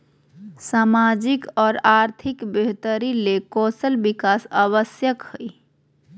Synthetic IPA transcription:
saːmad͡ʒikɔːɾaɾt̪ʰikbeɦt̪əɾilekɔːsəlbikasəβəsjəkhəj

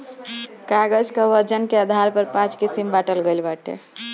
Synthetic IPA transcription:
kaɡəd͡ʒkəʋəɾd͡ʒənkeəd̪ʱaɾpəɾpãt͡ʃkisimbaʈəlɡelbaʈḛ

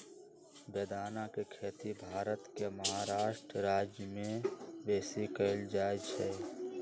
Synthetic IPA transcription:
beːd̪aːnakekʰeːt̪ibʱaːɾət̪keməɦaɾaːʃʈɾəɾaːd͡ʒjəmẽbeːsikəɪld͡ʒaːet͡ʃʰɛ

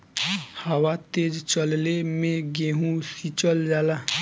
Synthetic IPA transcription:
həwat̪eːd͡ʒt͡ʃəllemẽɡeɦũsit͡ʃəld͡ʒaːla

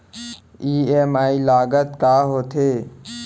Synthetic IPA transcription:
iːemaːilaːɡət̪kaːɦoːt̪ʰeː

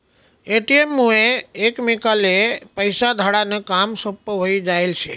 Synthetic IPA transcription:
eʈiemːueːkmikalepəjsad̪ʱaɽanekamsopːɦoid͡ʒaelt͡ʃʰḛ

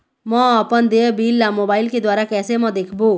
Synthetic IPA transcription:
mʌːpənd̪ebilːamobailked̪waɾakɛsemʌd̪ekʰbo

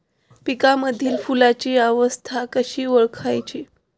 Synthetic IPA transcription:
pikaməd̪ʱiːlfulat͡ɕiaʋəst̪ʰakəɕiːʋəɭkʰajt͡ɕi

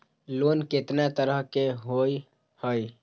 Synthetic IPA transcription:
lonket̪nat̪əɾəɦkeɦoj | həj

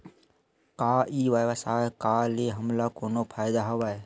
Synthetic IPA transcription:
kaːiʋaʋəsaːekaːleɦəmlakoːnopʰaːɪd̪aɦoʋaːe

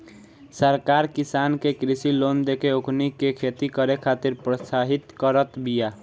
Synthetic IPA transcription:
səɾkaɾkisankekɾisilond̪ekeokʰnikekʰet̪ikəɾekʰat̪iɾpɾəsaɦit̪kəɾət̪bija

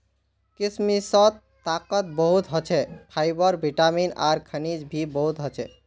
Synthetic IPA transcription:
kismisɔt̪ | t̪ːakət̪̚bəɦut̪ɦɔt͡ʃʰɛpʰajbəɾbʱiʈamina̰ɾkʰənid͡ʒbʱibəɦut̪ɦɔt͡ʃʰɛ

